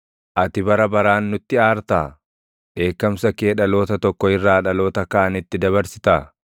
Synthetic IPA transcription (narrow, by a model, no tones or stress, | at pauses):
ʔɐt̪ɪbɐɾɐbɐɾaːnːʊt̪ːɪaːɾt̪aː | ᶑe̞ːkːɐmsɐke̞ːᶑɐlo̞ːt̪ɐt̪ɔkːɔɪrːaːᶑɐlo̞ːt̪ɐkaːnɪt̪ːɪd̪ɐβɐɾsɪ̥t̪aː